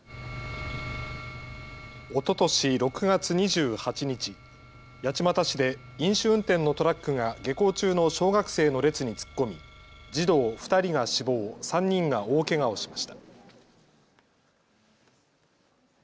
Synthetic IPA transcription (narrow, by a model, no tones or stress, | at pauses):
o̞t̪o̞t̪o̞ɕiɾo̞kɯ̟ɡat͡sɨɲ̟iʑɨːhat͡ɕiɲ̟it͡ɕi | jat͡ɕimat̪aɕid̪e̞ | ĩɰ̃ɕɨɯ̟̃nt̪ẽ̞nːo̞t̪o̞ɾakːɯ̟ŋaɡe̞ko̞ːt͡ɕɨːno̞ɕo̞ːɡakɯ̟̥se̞ːno̞ɾe̞t͡sɨɲ̟it͡sɨ̥kːo̞mʲid͡ʑid̪o̞ːɸɯ̟̥t̪aɾʲiɡaɕibo̞ːsãɲ̟ːĩŋɡao̞ːke̞ɡao̞ɕi̥maɕi̥t̪ḁ